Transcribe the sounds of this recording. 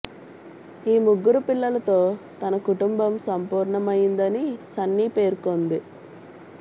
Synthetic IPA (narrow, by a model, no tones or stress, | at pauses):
iːmuɡːuɾupilːɐlɐt̪o̞ːt̪ɐnɐkuʈumbɐmsɐmpuːɾɳɐmɐjind̪ɐnisɐnːiːpe̞ːɾukond̪i